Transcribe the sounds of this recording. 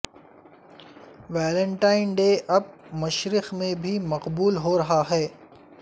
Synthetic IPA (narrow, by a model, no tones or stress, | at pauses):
ʋaːlə̃ɳʈaːɪnɖeːʔɐb̚mɐʃɾɪxmẽbʱimɐqbuːlɦoɾɐɦaɦɛː